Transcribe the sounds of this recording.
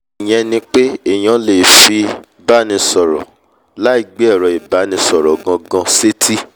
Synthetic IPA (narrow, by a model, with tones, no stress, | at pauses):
i˨j̃ɛ̃˧nĩ˧k͡pe˦e˦˨j̃ã˨˧le˨fi˧ | ba˦nĩ˧sɔ˨ɾɔ̰˨ | la˦i˦˨ɡ͡be˦ɛ˦˨ɾɔ˨i˨ba˨˦nĩ˧sɔ˨ɾɔ˨ɡã˧ɡã˧se˦tʰi˦